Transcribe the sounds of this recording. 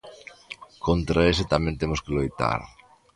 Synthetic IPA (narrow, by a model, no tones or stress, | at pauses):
kont̪ɾaesɪt̪amẽnt̪emʊskɪlojt̪a̰ɾ